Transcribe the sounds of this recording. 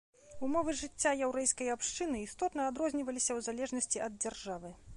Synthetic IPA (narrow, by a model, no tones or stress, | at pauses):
umɔvɨʐɨt͡sʲːajɛwɾɛjskɐjapʂt͡ʂɨnɨist̪ɔt̪nɐːd̪ɾɔzʲnʲivɐlʲisʲɐwzalʲɛʐnɐsʲt͡sʲiʔɐd̪̚d͡zʲarʐavɨ